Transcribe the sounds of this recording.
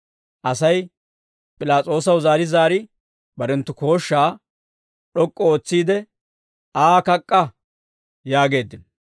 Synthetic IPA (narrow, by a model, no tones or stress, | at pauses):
ʔɐsɐj | pʼɪlaːt͡sʼo̞ːs̬ɐwzaːɾɪzaːɾɪ | bɐɾɛnt̪ːʊko̞ːʃːaː | ɗɔkʼːɔoːt͡sːiːd̪ɛ | aːkɐkʼːɐ | jaːɡe̞ːd̪ːɪn